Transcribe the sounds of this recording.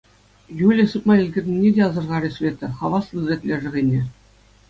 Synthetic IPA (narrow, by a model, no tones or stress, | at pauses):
julʲĕsɯp̪mɑĭlʲɡʲɘ̆rʲnʲĭnʲːedʲeɑzɤ̆rʁɑɾʲesʋʲet̪ʲɘ̆χɑʋɑslˠɯrʲet̪ʲlʲeʐɘ̆ɣʲenʲe